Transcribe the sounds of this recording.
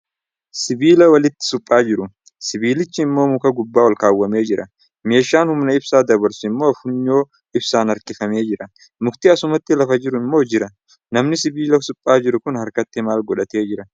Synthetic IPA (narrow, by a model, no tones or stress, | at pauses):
sɪbiːlɐwɐlɪt̪ːɪ̥sʊpʼːaːd͡ʒɪɾʊ | sɪbiːlɪt͡ʃːɪɪmːo̞ːmʊkɐɡʊbːaːwɐlkaːwːɐme̞ːd͡ʒɪɾɐ | me̞ːʃːaːnhʊmnɐɪbsaːd̪ɐβɐɾsʊɪmːo̞ːɐfʊɲːo̞ː | ɪbsaːnɐɾkɪfɐme̞ːd͡ʒɪɾɐ | mʊkt̪ɪɐsʊmɐt̪ːɪlɐfɐd͡ʒɪɾʊɪmːo̞ːd͡ʒɪɾɐ | nɐmnɪsɪbiːlɐsʊpʼːaːd͡ʒɪɾʊkʊnhɐɾkɐt̪ːɪmaːlɡɔᶑɐt̪e̞ːd͡ʒɪɾɐ